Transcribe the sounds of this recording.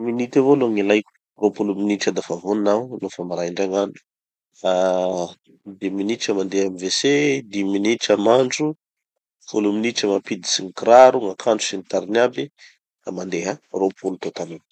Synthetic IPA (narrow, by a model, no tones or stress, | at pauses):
minit̪avoloŋilajkʲu̥ | ropuluminiʈ͡ʂad̪afavuninawlofamaɾaiɳɖ͡ʐaŋanu̥ | a | d̪iminiʈ͡ʂəmand̪eɦamivesed̪iminiʈ͡ʂəmaɳɖ͡ʐu | fuluminiʈ͡ʂəmapid̪i̥siŋkɾaɾuŋakʰaɳɖ͡ʐu̥sinit̪aɾnabi | kamand̪eɦaropʰulut̪ot̪anin